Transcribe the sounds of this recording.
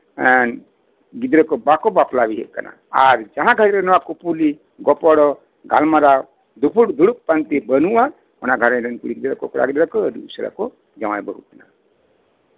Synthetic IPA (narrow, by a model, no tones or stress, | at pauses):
ən | ɡid̪ɾɔkobakobaplabiɦḛʔkana̰ | aɾd͡ʒaɦãɡʱaɾɾenɔwakopuli | ɡɔpɔɽɔ | ɡa̰lmaɾa | d̪upʰuɽd̪uɽuk̚pant̪ibənuwã | ɔnaɡʱaɾẽɾənkuɽiɡid̪ɾɔkokuɽa̰ɡid̪ɾakɔəd̪iusəɾa̰ko | d͡ʒɐwajbəɦṵkna̰